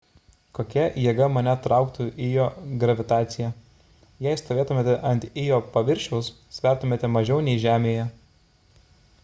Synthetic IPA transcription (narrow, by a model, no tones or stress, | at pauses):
koːkʲɛjiːɡɐmɐnʲɛt̪ɾɑˑʊkt̪uʔɪjoːɡɾɐʋʲɪt̪ɑːt̪sʲɪjæ | jɛɪst̪oːʋʲeːt̪ʊmʲeːt̪ʲɛʔɐnʲt̪ʲɪjoːpɐʋʲɪɾʲʃʲɛʊs | sʲʋʲæˑɾt̪ʊmʲeːt̪ʲɛmɐʒʲɛʊnʲɛɪʒʲæːmʲeːjɛ